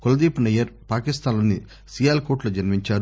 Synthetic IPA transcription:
kolɐd̪iːpunɐjɐɾpaːkist̪aːnlonːi | siːjaːlkoːʈlɐd͡ʒɐnmiɲt͡ʃaːɾu

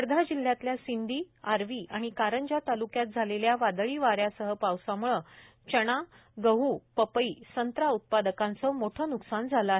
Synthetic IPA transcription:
əɾd̪ʱad͡ʑil̤ːjat̪ljasind̪ʱiːaɾʋiːʔaɽ̃ikaɾəɲd͡ʑat̪alukjat̪̚d͡zʱaleljaʋad̪ɭiːʋaɾjasəɦəpawsamuɭə | t͡ɕəɽ̃a | ɡəɦuːpəpəiːsənt̪ɾaut̪̚pad̪əkãnt͡sɔmoʈʰəːnuksand͡zʱaləaɦe

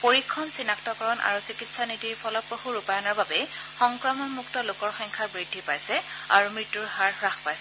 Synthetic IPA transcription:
poɹikʰːɔnsinaktɔkɔɹɔnʔa̰ɹusikitsanitiɹpʰɔlɔpɹohuɹupajɔnɔɹbabɛ | xɔŋkɹɔmɔnmuktɔlokɔɹxɔŋkʰaɹbɹidʱːipajsɛ | a̰ɹumɹitːuɹɦaɹxɹaxpajsɛ

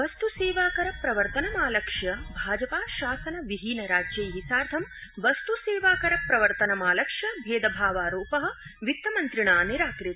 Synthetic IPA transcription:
ʋɐst̪useːʋaːkɐɾɐpɾɐʋɐɾt̪ɐnɐmaːlɐkʂjɐbʱaːd͡ʒɐpaːʃaːsɐnɐʋiɦiːnɐɾaːd͡ʒjɐjɦisaːɾt̪ʰɐmʋɐst̪useːʋaːkɐɾɐpɾɐʋɐɾt̪ɐnɐmaːlɐkʂjɐbʱeːd̪ɐbʱaːʋaːɾoːpɐɦɐ̆ʋit̪ːɐmɐnt̪ɾiɳaːniɾaːkɾit̪ɐ̥

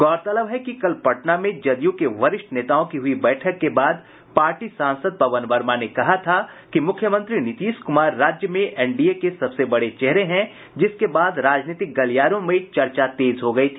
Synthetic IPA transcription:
ɡɔːɾt̪ɐləbɦɛkikɐlpɐʈnamẽd͡ʒɐd̪ijõkeʋɐɾɪʃʈneːt̪aːõkiɦʊibɛːʈʰəkːebaːd̪ | paːɾʈisãːnsəd̪̚pɐʋənʋɐɾmanekɐɦat̪ʰa | kimʊkʰjəmə̃nt̪ɾinɪt̪iːskʊmaːɾːaːd͡ʒjəmẽʔɛ̃ːɳɖiekesɐbsebɐɽet͡ʃɛɦɾeɦɛ̃ | d͡ʒɪskebaːd̪ɾaːd͡ʒniːt̪ɪk̚ɡɐlijaːɾõmẽt͡ʃɐɾt͡ʃat̪eːzɦoɡɐit̪ʰiː

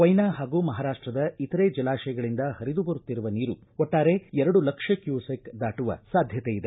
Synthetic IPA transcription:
ʋɐjnaːɦaːɡuːmɐɦaːɾaːʂʈɾɐd̪ɐit̪ɐɾeːd͡ʒɛlaːʃɐjɐɡɐɭind̪ɐhɐɾid̪ubɐɾut̪ːiɾuʋɐniːɾu | ɔʈːaːɾe̞ɛɾɐɽulɐkʂɐkjuːsekd̪aːʈuʋɐ̰saːd̪ʱjɐt̪ejid̪e

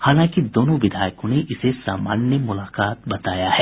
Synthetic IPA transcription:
haːlãːkid̪oːnõʋɪd̪ʱaːjkõneʔɪsesa̰ːma̰ːnjəmʊlaːkaːt̪̚bɐt̪aːjaɦɛː

